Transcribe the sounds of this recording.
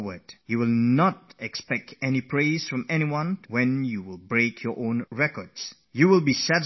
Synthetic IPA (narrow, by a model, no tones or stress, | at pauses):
wədjuwɪlˠnɔtɛkspɛk̚tʰɛnipʰɹeɪz̥fɹɔ̃mɛñiwãnwɛ̃njuwɪlˠbɹeɪkʰjɔʔõnɹɛkɔds | juwɪlˠbisɛt